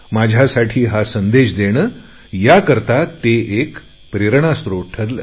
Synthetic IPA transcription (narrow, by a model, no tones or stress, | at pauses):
mad͡ʑʱjasaʈʰiːɦasənd̪eɕd̪eɽ̃ə | jakəɾt̪at̪eʔek | pɾeɾɳ̃ast̪ɾoʈʰəɾl